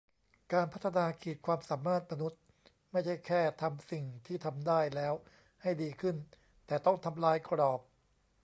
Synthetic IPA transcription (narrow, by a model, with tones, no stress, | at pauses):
kaː˧npʰa˦˥t̪ʰːa˧naː˧kʰiː˨˩t̪̚kʰwaː˧msaː˩˦mːaː˥˩t̪̚ma˧nu˦˥t̪̚ | ma˥˩jt͡ɕʰa˥˩jkʰɛː˥˩t̪ʰa˧msi˨˩ŋt̪ʰiː˥˩t̪ʰa˧mdaː˥˩jlɛː˦˥w | ha˥˩jdiː˧kʰɯ˥˩n | t̪ɛː˨˩t̪ɔ˥˩ŋt̪ʰa˧mlaː˧˥jkʰɾɔː˨˩p̚